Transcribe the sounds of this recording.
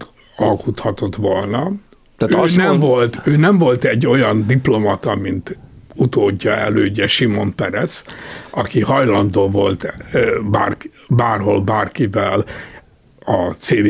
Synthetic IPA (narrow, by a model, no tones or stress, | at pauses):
ɒlkut̪hɒt̪o̞t̪ʋolnɒ | t̪ːnɛmvolt̪øːnɛɱvo̞lt̪ɛɟːo̞jɒnd̪iplo̞mɒt̪ɒmint̪ | ut̪oːɟːɒɛ̰løːɟɛʃimo̞mpɛɾɛt̪sɒkihɒjlɒnd̪oːvo̞lt̪ba̰ːr | baːrɦo̞lbaːrkivɛl | ɒt̪seːl